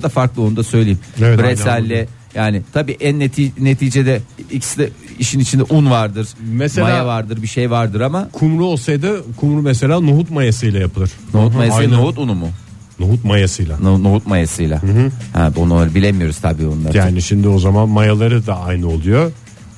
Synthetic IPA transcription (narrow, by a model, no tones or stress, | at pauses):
d̪afaɾklˠɯo̞nud̪asø̞jlʲejimevɛbɾesælʲːɛ | jaːnɪt̪ʰabiːʔænːet̪ʰine̞t̪ʰiːd͡ʒe̞d̪ɛicʰsd̪ɛiʃinit͡ʃʰind̪ɛʔunvaɾd̪ɯɾ̥mesemajavaɾd̪ɯɾbiʃe̞jvaɾd̪ɯɾamakʰumɾuolˠsajd̪akʰumɾumese̞lʲaːnuɦut̪majasɯjlˠajapʰɯlˠɯɾ̥noɦut̪majaaoɦut̪unumʊ | nuɦut̪̚majasɯjlˠannuɦut̪majasɯjlˠa̰hɛ̰bonaɾɯbilʲemijo̞ɾuz̥t̪ʰabiːonˠajaaːniʃimd̪io̞zamanmajalˠaɾɯd̪aajnɯolˠujo